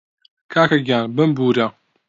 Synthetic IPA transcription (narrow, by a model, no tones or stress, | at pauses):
kʰaːkɐɡjaːnbɨmbuːɾɐ